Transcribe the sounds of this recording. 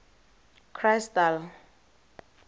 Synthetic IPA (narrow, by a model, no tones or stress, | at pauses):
kʰrajstal